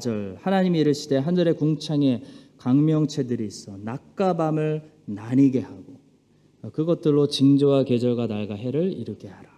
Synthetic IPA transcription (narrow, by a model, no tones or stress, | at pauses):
d͡ʑʌɭhanaɲimiːɾɯɭɕʰide̞ɦand͡ʑʌɾe̞kuŋt͡ɕʰaŋe̞kaŋmjʌŋt͡ɕʰe̞dɯɾiːs͈ʌnak̚k͈abamɯɭnaɲiɡe̞haɡo | kɯɡʌt̚t͈ɯɭːot͡ɕiŋd͡ʑowaked͡ʑʌɭɡwanaɭɡaɦe̞ɾɯɭiɾɯɡehaɾa